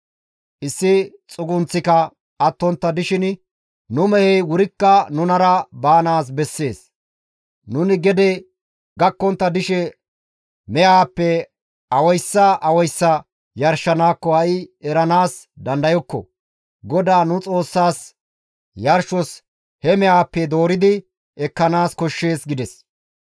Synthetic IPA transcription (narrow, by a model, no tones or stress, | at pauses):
ʔɪsːɪt͡sʼʊɡʊnt͡sːɪkɐ | ɐt̪ːɔnt̪ːɐd̪ɪʃɪn | nʊmɛhɛjwʊɾɪkːɐnʊnɐɾɐbaːnaːs̬bɛsːe̞ːs | nʊnɪɡɛd̪ɛ | ɡɐkːɔnt̪ːɐd̪ɪʃɛ | mɛjaːpːɛ | ɐwɔjsːɐʔɐwɔjsːɐ | jɐɾʃːɐnaːkːɔhɐʔɪɛɾɐnaːs | d̪ɐnd̪ɐjɔkːɔ̰ | ɡɔd̪aːnʊt͡sʼo̞ːsːaːs | jɐɾʃɔs | hɛmɛʔaːpːɛd̪o̞ːɾɪd̪ɪ | ɛkːɐnaːskɔʃːe̞ːsɡɪd̪ɛs